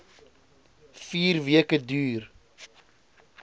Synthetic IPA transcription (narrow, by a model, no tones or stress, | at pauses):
fiːrviəkədyːr